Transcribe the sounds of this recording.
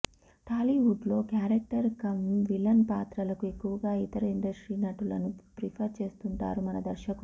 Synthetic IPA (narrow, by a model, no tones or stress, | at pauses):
ʈaːliʋuɖlo̞ːkjaːɾek̚ʈɐɾkɐmʋilɐnpaːt̪ɾɐlɐkue̞kːuʋɐɡaːit̪ɐɾɐiɳɖɐsʈɾiːnɐʈulɐ̰nupɾipʰɐɾt͡ʃe̞ːst̪uɳʈa̰ːɾumɐnɐd̪ɐɾʃɐku